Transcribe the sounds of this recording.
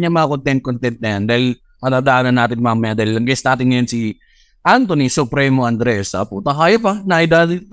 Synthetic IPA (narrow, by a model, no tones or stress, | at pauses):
ɲamakont̪ɛnt̪̚kont̪ɛnt̪̚nɐjand̪aːhɪl | kɐnad̪ɐʔaːnɐnːaːt̪ɪnmaŋmɛd̪ɐllɐŋɡɛsnaːt̪ɪnŋɐjonsi | ʔant̪onisʊpɾɛmoʔɐnd̪ɾɛsɐ̰put̪ɐkaːjopɐnɐɐjd̪a